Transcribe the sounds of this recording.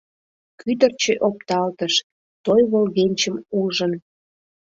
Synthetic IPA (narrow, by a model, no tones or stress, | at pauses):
kyd̪ərt͡ɕeʔop̚t̪ɑlt̪əʃ | t̪ojβolɣenʲt͡ɕəmulʒən